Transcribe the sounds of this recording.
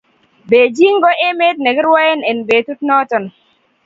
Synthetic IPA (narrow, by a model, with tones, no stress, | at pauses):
be˨d͡ʒi˦ŋ˦ɡɔ˦ʔe˦me˦t̚ne˨ki˦ɾwɔ˦e˦ne˨nbe˨tu˦t̚nɔ˦tɔ˨n˨